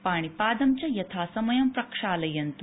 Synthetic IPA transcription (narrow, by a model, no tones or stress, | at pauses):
paːɳ̃ipaːd̪ɐmt͡ɕɐjɐt̪ʰaːsɐmɐjɐmpɾɐkʂaːlɐjɐnt̪u